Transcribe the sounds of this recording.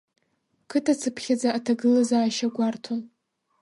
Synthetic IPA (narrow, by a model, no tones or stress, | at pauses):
kʰɨtʰat͡sʰɨpʰχʲad͡zaʔatʰaɡɨlazaːʃaɡʷartʰon